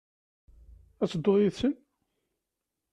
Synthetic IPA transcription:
æt͡sːəd̪ːoðjiðsən

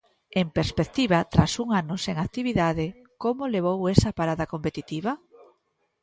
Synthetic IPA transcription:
empeɾspek̚t̪iβat̪ɾasuŋanʊseŋak̚t̪iβiðaðɪ | komoleβ̞owɛsɐpaɾaðakompet̪it̪iβ̞ɐ

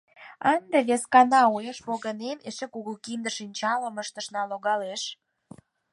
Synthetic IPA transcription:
ɑnd̪eβeskɑnɑujeʃpoɣənemeʃekuɣəlkind̪ə̆ʃinʲt͡ɕɑləməʃt̪ə̆ʃnɑloɣɑleʃ

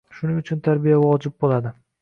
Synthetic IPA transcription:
ʃʊnɪŋʊt͡ʃʰʊnt̪ʰaɾbijavɒd͡ʒɪb̚bolad̪ɪ

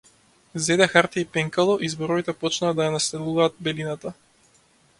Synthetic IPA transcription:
zɛd̪ɛxaɾt̪iipɛŋkalˠɔʔizbɔɾɔvit̪ɛpɔt͡ʃnaːd̪ajanast̪ɛlˠuvaːt̪̚bɛlinat̪a

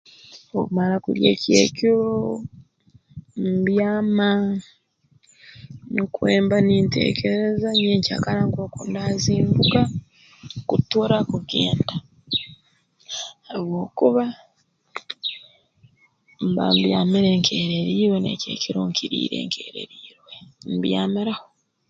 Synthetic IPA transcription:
okumaɾakuɾjḛːcjḛciɾo | mbjaːma | ŋkweːmbaniːntḛːkeɾezaɲeːɲca̰kaɾaŋkoːkondaziːmbuka | kutoɾakuɡḛːnda | haβwo̞ːkuβa | mba̰mbjaːmiɾe̞ːŋkʰe̞ːɾeɾiːɾwenḛcḛciɾuːŋkʰiɾḭːɾe̞̰ːŋkʰeːɾe̞̰ɾiːɾwembjaːmiɾaho

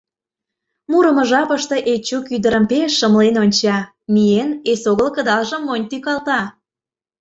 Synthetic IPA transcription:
muɾə̆mə̆ʒɑpəʃt̪e̽ʔet͡ɕukyd̪əɾə̆mpeʃːəmlenonʲt͡ɕɑ | mijenesoɣəlkəd̪ɑlʒə̆mːonʲt̪ykɑlˠt̪ɑ

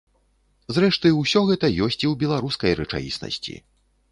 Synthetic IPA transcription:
zɾɛʂt̪ɨwsʲɔɣɛt̪ɐjɔsʲt͡sʲiwbʲɛlˠaɾuskɐjɾɛt͡ʂa̰jḭsnɐ̰sʲt͡sʲḭ

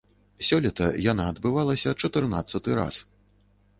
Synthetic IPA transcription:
sʲɔlʲɐt̪ɐjanaɐd̪bɨvalˠɐsʲɐt͡ʂɐt̪ɨrna̰t̪sːɐt̪ɨɾa̰s

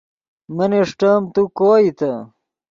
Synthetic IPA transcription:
mɐneʂʈɐmt̪ukoːit̪ɐ

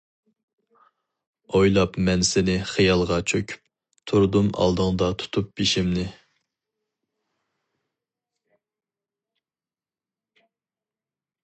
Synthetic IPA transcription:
ojlˠɑpmɛnsɪnɪχijɑlˠʁɑt͡ʃʰøkʲʰy̥p̚ | t̪ʰuɾd̪umɑ̰lˠd̪əŋd̪ɑt̪ʰu̥t̪ʰup̚biʃɪmnɪ

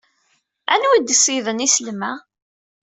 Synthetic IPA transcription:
ænwid̪siðənisəlmæ

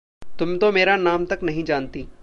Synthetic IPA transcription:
t̪ʊmt̪omeːɾanaːmt̪ɐknɐɦĩd͡ʒaːnt̪iː

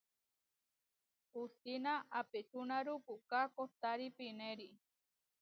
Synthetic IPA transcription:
ust̪inaapet͡ʃunaɾupuʔkakoht̪aɾipineɾi

